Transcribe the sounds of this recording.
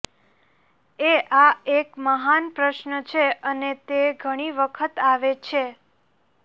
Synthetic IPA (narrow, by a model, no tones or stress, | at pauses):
eʔaekməɦanpɾəʃnət͡ʃʰeənet̪eɡʱəɽ̃iʋəkʰət̪aʋet͡ʃʰe